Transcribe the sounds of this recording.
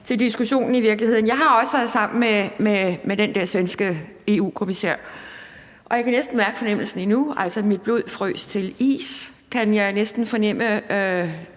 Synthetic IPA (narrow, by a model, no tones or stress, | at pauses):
t͡sʰe̝ld̥isɡ̥uɕo̝̰ːnn̩iʋiɐɡ̥lihe̝ð̞̰ˠn̩jɑ̈ɪɦɑ̈ɒ̽səʋæɐð̞̩ˠsɑ̈m̰n̩mememed̥end̥ɛɐ̰sʋensɡ̥ə | e̝ːṵːkʰo̝misḛɐ̰ | ʔɒ̽jakʰænesd̥n̩mæɐɡ̥ə̥fɒ̽nem̰l̩sn̩inuæl̰sɒmid̥̚b̥lo̝ð̞̰ˠfʁœ̰ːst͡sʰe̝lḭːs | kʰænjɑ̈ɪnesd̥n̩fɒ̽nem̰ə